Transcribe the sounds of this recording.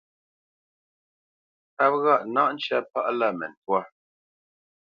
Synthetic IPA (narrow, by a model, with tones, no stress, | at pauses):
a˦p̚ɣa˦˨ʔna˦ʔn̩˦t͡ʃa˦pa˦ʔla˦˨mɛ̰˨n˨twa˦